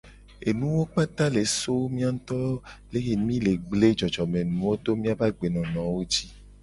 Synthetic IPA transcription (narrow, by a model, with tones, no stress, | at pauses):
e˨nũ˦wo˦k͡pa˦t̪a˦le˨so˦mĩ˦a˦t̪ɔ˦le˦ɣe˨mĩ˦le˨ɡ͡ble˦d͡ʒɔ˨d͡ʒɔ˨mẽ˨nũ˨˦wo˦t̪o˦mĩ˦a˦va˦ɡ͡be˨nɔ̃˨nɔ̃˨wo˦t͡ʃi˦